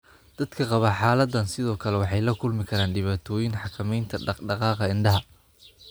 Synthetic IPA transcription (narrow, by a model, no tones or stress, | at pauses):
d̪̥ɐd̪̥kʰɐqɑβɐħɑːlɐd̪ːɐnsɪðɔːkʰɐlɛwɑħɑjlɐkʰʊlmɪkʰɐɾaːnɖɪβaːt̪ʰɔːjɪnħɑkʰɐmɛjnt̪ʰɐɖɑɖɑqɑːqɐɪnɖɐɦɐ